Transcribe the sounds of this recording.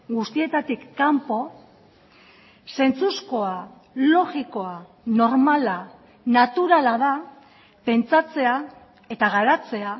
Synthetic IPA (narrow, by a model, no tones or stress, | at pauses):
ɡust̪ie̞t̪at̪ikːampo̞ | se̞nt͡susko̞a | lo̞ɣiko̞a | no̞ɾmala | nat̪uɾalað̞a | pe̞nt͡sat͡se̞a | e̞t̪aɣaɾat͡se̞a